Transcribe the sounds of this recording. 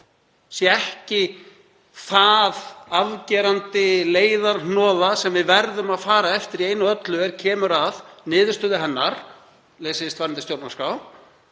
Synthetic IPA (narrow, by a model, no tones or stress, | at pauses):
sjɛɛhcɪ | θaðaðcɛːɾant̪ɪleːjðaɾnɔːðasɛmvɪðvɛɾðʏmaðfaːɾaɛft̪ɪɾieːjnʏœt̪lʏɛɾ̥cʰɛːmʏɾaðnɪːðʏ̥st̪ʏːðɪɦɛnːaɾ̥ | leːsɪst̪vaɾnɪnɪst̪jowɾpnaskaw